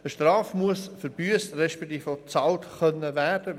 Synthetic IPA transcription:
əʃtrɑːfmuəsfəɾb̥yəsrɛʃpɛk̚t̪iːfot͡sɑːltχœnːəvæːrd̥ə

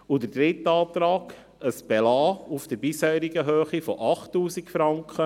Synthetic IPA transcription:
ud̪əd̥̪ɾɪt̪ːɑːt̪ɾɑːɡ | əsb̥ɛlɑːufd̥̪əɾbɪsheːɾiɡəɦøːχifɔʔɑχtːuːsikfɾɑŋkχə

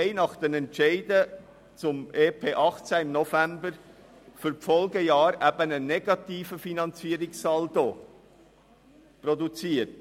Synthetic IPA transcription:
ɪnɑχd̥enɛntʃeɪdə | t͡sʊmeːpʰeːʔɑχt͡sæɪmnɔfɛmbəɾ | fyɾfɔlɡəjɑːɾæbənənɛɡ̥ɑtiːfəfinɑnt͡siːɾɪkssɑːldo | prɔdut͡siːət

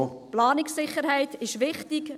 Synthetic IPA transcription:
plɑːnɪksɪχəɾhɛɪtɪʃʋɪχtik

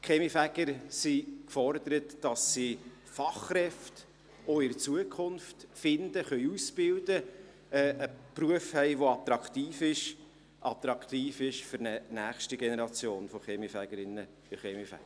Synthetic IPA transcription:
χemifæɡ̥əɾsikfɔrd̪əɾətd̥ɑsːi | fɑχrɛft | oɪɾt͡suəkʰχʊnftfɪndəχœʏuspɪldə | ɛʔəpruəfhɛɪʋoɑt̪ɾɑkχt̪iːfɪʃ | ʔɑp̚t̪ɾɑkt̪iːfɪʃføɾnənæːχʃtiɡenɛɾɑt͡sjoːnfoχemifæɡ̥əɾɪnːə̥ | ɪχeːmifæ̰ɡə

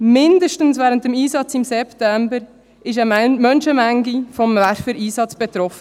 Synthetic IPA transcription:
mɪndəʃtən̩svɛːɾənt̚dəmiːsɑt͡sɪmsɛptɛmbəɾ | ɪʃ̬ɛmœnʃəmɛŋɡifɔmvæɾfəɾʔiːsɑt͡sb̥ɛt̪ɾɔfə

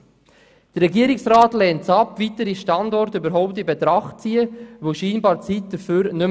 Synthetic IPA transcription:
d̥əɾːɛɡiəɾɪksraːtlɛːntt͡sɑpvitəɾiʃtɑndɔɾtybəɾɦɔʊp̚tɪbet̪ɾɑχt̚t͡siːəʋoʃiːnbɑːɾt͡sit̚d̥əɾføːɾnʏ

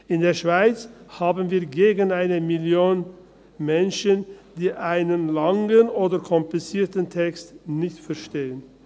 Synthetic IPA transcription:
ʔɪndeːɐʃv̥aɪt͡shaːbənviːɐɡeːɡənaɪnəmɪljoːn | mɛnʃənd̥iːʔaɪnənlaŋənoːdɐkʰɔmplɪt͡siːɐtəntʰɛkstnɪçtfɛɐʃteːən

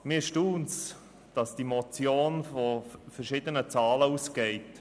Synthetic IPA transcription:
mɪːɾʃtuːns | d̥ɑsd̥imɔt͡sjoːnfɔfəɾʃɪdənət͡sɑːləuːsɡ̥ɛɪt

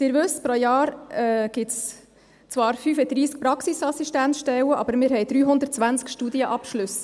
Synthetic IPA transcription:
d̪̥ɪɾʋɵspɾojɑːɾɛɡ̥ɪts | t͡svɑːɾfyːfɛd̥̪ɾiːsk̚pɾɑksisɑsiʃtæntʃtɛwəʔɑ̰bəɾmɪːɾɦɛjd̪ɾyːɦʊnd̪ət̚t͡sʋænt͡skʃtuːd̪iəʔɑpʃlɵs

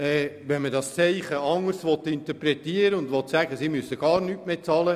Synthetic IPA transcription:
ɛːʋɛnmədɑst͡sɛɪχəɑŋəɾsʋɔt̪ɪnt̪əɾpɾɛt̪iəɾəʊndʋɔt̪sæɡəsimysəɡ̥ɑːɾnyːtmeːt͡sɑːlə

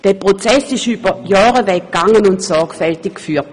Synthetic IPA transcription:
d̥ɛːpʁot͡sɛsɪʃyːb̥ɐjɑːʁəvɛkɡ̥aŋːənʊntsɔɐkfɛltɪkkfyːɐt

